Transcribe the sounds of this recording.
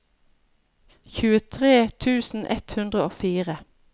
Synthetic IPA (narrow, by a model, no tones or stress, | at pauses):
çʉːət̪ʰʁeːt̪ʰʉːsn̩ʔɛ̰t̪hʉnd̪ʁəoːfiːʁə